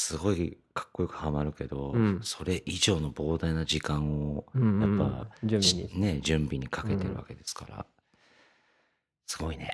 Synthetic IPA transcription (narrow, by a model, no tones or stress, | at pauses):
sɨɡo̞i | kʰḁkːo̞jokɯ̟̥hamaɾɯ̟ke̞d̪o̞so̞ɾe̞ʔiʑo̞ːno̞bo̞ːd̪ainad͡ʑikãɰ̃ojapːa̰ | ne̞d͡ʑɨ̃mbʲiɲ̟ikʰake̞t̪e̞ɾɯ̟βa̰ke̞d̪e̞sɨ̥ka̰ɾa̰ | sɨ̥ɡo̞ine̞